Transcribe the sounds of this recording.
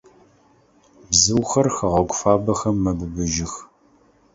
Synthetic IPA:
bzɨwxɐrxɐʁɐɡʷʊfaːbɐxɐmːɐbɨbɨʒɪx

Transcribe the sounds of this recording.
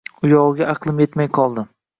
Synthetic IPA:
ʊjɒwɡʲaʔɑqlˠɪmjet̪majqʰɒlˠd̪ɪ

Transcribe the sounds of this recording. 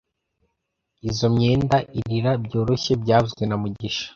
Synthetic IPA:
izo̞mɲeːndaʔiɾiɾabɟo̞ːɾo̞çe̞bɟaːuzɡwenamuɟiʃḁ

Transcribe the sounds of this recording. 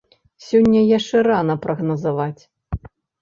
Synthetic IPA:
sʲɔnʲːɐjaʂt͡ʂɛɾanɐpɾɐɣnɐzavat͡sʲ

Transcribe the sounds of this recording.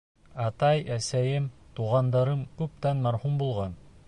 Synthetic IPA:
ɑt̪ɑjæsæjɘmt̪uʁɑnd̪ɑɾɤmkʉp̚t̪ænmɑɾhumbulˠʁɑn

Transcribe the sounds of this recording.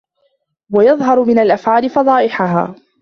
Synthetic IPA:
wajɑðˤɦɑɾˤʊmɪnalʔafʕaːlɪfɑd̪ˤɑːʔɪħaɦa̰ː

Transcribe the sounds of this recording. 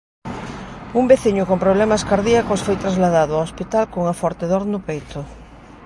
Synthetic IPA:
umbeθiɲʊkompɾoβ̞lemaskaɾðiakosfojt̪ɾazlaðaðʊaospit̪alkoŋafɔɾt̪eðoɾnʊpejt̪ʊ

